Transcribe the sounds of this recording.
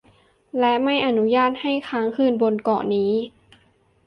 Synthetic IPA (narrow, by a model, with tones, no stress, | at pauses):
lɛ˦˥ʔma˥˩jʔa˧nu˦˥jaː˥˩t̪̚ha˥˩jkʰaː˦˥ŋkʰɯː˥˩nbo˧nkɔ̰ː˨˩niː˦˥